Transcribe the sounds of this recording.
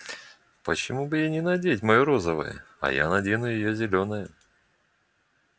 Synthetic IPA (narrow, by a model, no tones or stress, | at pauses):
pət͡ɕɪmubɨjanʲɪnɐdʲeɪtʲmɐjoɾo̞zəvə̰jə̰ | ɐ̰ja̰nɐdʲenʊjɪjozʲɪlʲo̞nəjə